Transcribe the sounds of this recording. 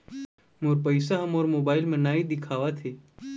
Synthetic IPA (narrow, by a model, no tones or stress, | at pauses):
moːɾpəjsaɦɐmoːɾmoːbaːɪlmẽnaːid̪ɪkʰaːʋat̪ʰeː